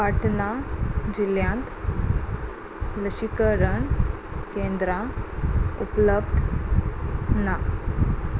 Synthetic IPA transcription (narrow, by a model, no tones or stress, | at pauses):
paʈnad͡ʑiljãnt̪ | ləɕikəɾəɳ | kẽnd̪ɾã | upləbd̪ | na